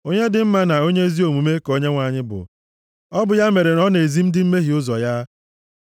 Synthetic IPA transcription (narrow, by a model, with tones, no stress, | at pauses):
o˦ɲe˦dɪ˨m̩˦ma˦na˨o˦ɲe˦zi˦o˨mu˨me˦ko˦ɲe˦ŋʷa˨ɲɪ˦bʊ̰˨ | ɔ˦bʊ˨ja˦me˨ɾe˨nɔ˦ne˨zi˦m̩˦dɪ˦m̩˦me˦ɦi˨ʊ˦zɔ˨ja˦